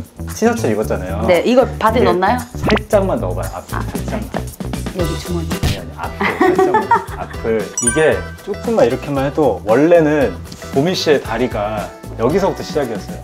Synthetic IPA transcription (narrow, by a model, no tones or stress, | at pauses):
t͡ɕʰisʰʌt͡ɕʰʌɾiɡʌt̚t͡ɕ͈anajone̞ʔiɡʌɭpadɯnʌnːajosʰaɭt͡ɕ͈aŋmanːʌba̰jo̰a̰pʰsʰaɭt͡ɕ͈aŋmajeɡit͡ɕumʌɦidaana̰pʰ | apʰɯiɡe̞t͡ɕ͈ok͈ɯmːaiɾʌkʰemaɭɦedowʌɭːe̞nɯn | pomiɕ͈ie̞taɾiɡa | jʌɡisʰʌɡutʰoɕʰid͡ʑaɡiʌs͈ʌjo